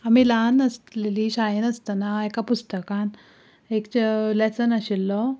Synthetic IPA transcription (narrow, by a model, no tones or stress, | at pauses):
amilanəsleliːɕajenəst̪ənaekapust̪əkãn | ekt͡ɕlesənəɕilːɔ